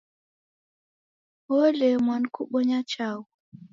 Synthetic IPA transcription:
ɔlɛmwankuɓɔɲat͡ʃawu

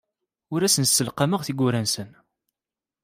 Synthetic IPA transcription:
ʊɾæsənsːəlqaməʁθiɡʷʊɾænsən

